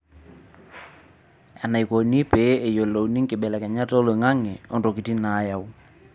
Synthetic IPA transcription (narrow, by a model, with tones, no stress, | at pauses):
ɛ˨na˨i˨ko˨ni˦pe˨˦e˨jo˨lo˨wni˦ŋkɪ˨ɓɛ˨lɛ˨kɛ˨ɲa˦to˦lo˨ŋa˦ŋɛ˨o˦ndo˨ki˨ti˦na˨˦ja˦˨wu˦